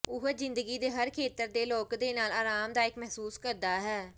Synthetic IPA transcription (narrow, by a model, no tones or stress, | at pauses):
ʊɦzɪnd̪əɡiːd̪eːɦəɾkʰeːt̪əɾd̪eːloːkd̪eːnaːlaːɾaːmd̪aːɪkmɛɦsuːskəɾd̪aːɦɛː